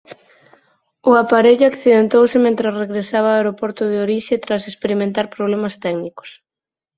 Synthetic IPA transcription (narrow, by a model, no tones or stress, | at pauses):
ʊapaɾeʎʊakθiðent̪owsɪmẽnt̪ɾasreɣɾesaβ̞aaeɾopoɾt̪ʊðɪoɾiʃet̪ɾasespeɾimẽnt̪aɾpɾoβ̞lemɐst̪ɛɡnikʊ̥s